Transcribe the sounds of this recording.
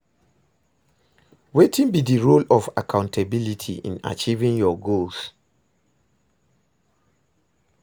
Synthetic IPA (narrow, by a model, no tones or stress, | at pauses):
wetʰĩnbidiɹolɔfa̰kʰãʊ̃ntʰabilitʰḭʔḭ̃na̰t͡ʃivĩŋjɔɡols